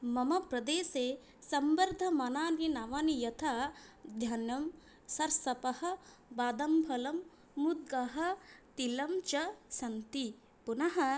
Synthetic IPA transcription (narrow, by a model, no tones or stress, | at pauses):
mɐmɐpɾɐd̪eːse | sɐmbɐɾd̪ʱɐmɐnaːninaːʋaːnijɐt̪ʰad̪ʱjɐnjɐm | sɐɾsɐpɐhɐ̆baːd̪ɐmpʰɐlɐmː | ud̪̚ɡɐɦɐ̆t̪ilɐmt͡ʃɐsɐnt̪i | punɐɦɐ